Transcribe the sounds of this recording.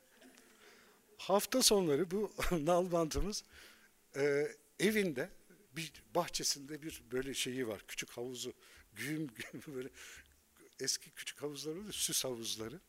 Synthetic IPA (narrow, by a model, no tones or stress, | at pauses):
haft̪ʰaso̞nlˠaɾɯbunalˠbant̪ʰɯmɯz̥ | ɯː | evind̪ɛ | bibaxt͡ʃʰe̞sind̪ɛbiɾbø̞jlʲɛʃe̞jiva̰ɾ̥cʰy̥t͡ʃʰychavuzʊɟyjymɟybøjlʲɛ | ɛscʰicʰy̥t͡ʃʰy̥chavuzlˠaɾd̪isyshavuzlˠaɾɯ